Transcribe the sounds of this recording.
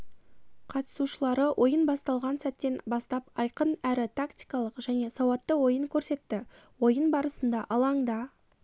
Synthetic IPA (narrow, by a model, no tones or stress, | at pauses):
qʰɑt̪ə̥suʃəlˠɑɾəwʔo̞jənbɑst̪ɑlˠʁɑnsæt̪ːe̞nbɑst̪ɑp̚ɑjqənæɾɪt̪ʰakt̪ijkɑlˠəqʒ̥æne̞sɑwɑt̪ːəwo̞jəŋkʲʰɵɾse̞t̪ːɪwo̞jənbɑɾəsənd̪ɑʔɑlˠɑɴd̪ɑ